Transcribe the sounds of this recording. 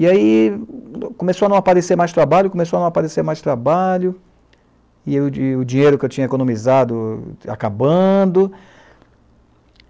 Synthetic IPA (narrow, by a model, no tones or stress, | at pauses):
iai | kõmesoanɐ̃w̃apaɾeseɾmajst̪ɾabaʎʊkõmesowanɐ̃w̃apaɾeseɾmajst̪ɾabaʎʊ | ɪʊd͡ʒĩɲejɾʊkɪewt͡ʃĩɲɐekõnõmizad̪ʊa̰kabɐ̃d̪ʊ